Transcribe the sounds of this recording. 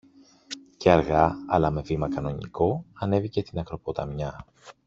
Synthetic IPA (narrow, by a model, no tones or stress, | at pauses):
ceɐɾɣɐɐlɐme̞vimɐkɐno̞ɲḭko̞ɐne̞vicest̪inɐkɾo̞pot̪ɐmɲɐ